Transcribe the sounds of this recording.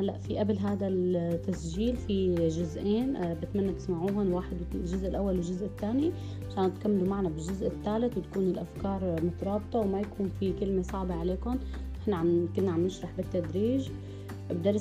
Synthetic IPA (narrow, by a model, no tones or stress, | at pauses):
halːaʔfiʔablɦaːd̪alt̪ːasʒiːlfiʒʊzʔeːnbɪt̪manːat̪ɪsmaʕuːhʊnwaːħɪd̪ʒʊzʔɪlʔawːalwɪlʒʊzʔɪt̪ːaːni | ʕaʃaːnɪt̪kamːalumaʕnabɪʒʊzʔɪt̪ːaːlɪt̪wt̪ḁkuːnɪlʔafkɑːɾˤmʊt̪ɑɾˤɑːbt̪ˤɑwmajakuːnfikɪlmesˤɑʕbɑʕaleːkʊn | ʔɪħnaʕamkʊnːaʕamnɪʃɾˤɑħbɪt̪ːad̪ɾiːʒ | bd̪ɑɾˤ